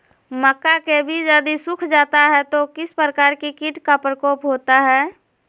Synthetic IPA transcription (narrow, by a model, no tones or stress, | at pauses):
məkːakebʱid͡ʒəd̪isʊkʰd͡ʒaːt̪aɦɛt̪okɪspɾəkaːɾkikiʈkapɾəkɔːpɦoːt̪aɦɛː